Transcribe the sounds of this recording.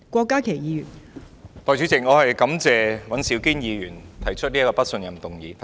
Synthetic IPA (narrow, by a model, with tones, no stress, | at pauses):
kʷɔː˧kːaː˥kʰe˨˩jiː˨˧jyː˨˩n | t̪ɔː˨jt͡ʃy˨˥t͡sɪ˨˩k̚ŋɔː˨˧hɐ˨jkɐ˨˥mt͡sɛː˨˧wɐ˨˥nsiː˨˥wkiː˥njiː˨˧ɥyː˨˩nt̪ʰɐ˨˩jt͡ʃʰɵ˥t̚liː˥kɔː˧pɐ˥t̚sɵ˧njɐ˨˩mt̪ʊ˨ŋjiː˨˧˥